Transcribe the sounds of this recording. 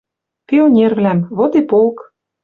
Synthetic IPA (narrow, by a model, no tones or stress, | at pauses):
pʲionʲervlæmβot̪epolk